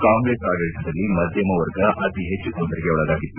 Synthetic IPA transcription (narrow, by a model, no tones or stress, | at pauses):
kaːŋɡɾeːsaːɡɐɾiʈɐd̪ɐlːimɐd̪ʱjɐmɐʋɐɾɡɐʔɐt̪iɦet͡ʃːukoːd̪ɐɾiɡeɔɭɐd̪aːɡit̪ːu